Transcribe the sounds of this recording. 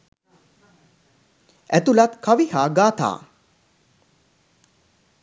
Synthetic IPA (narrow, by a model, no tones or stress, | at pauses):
æt̪ulat̪kaʋihaːɡaːt̪a̰ː